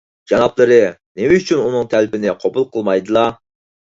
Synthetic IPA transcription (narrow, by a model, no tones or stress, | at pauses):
d͡ʒɑnɑplˠɨɾɨnɪmɪyt͡ʃʰynunɨŋt̪ʰælpɪnɪqʰobulˠqʰəlˠmɑjd̪ɨlˠɑ